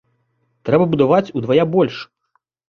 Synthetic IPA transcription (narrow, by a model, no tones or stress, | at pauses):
t̪ɾɛbɐbud̪avat͡sʲud̪vajabɔlʲʂ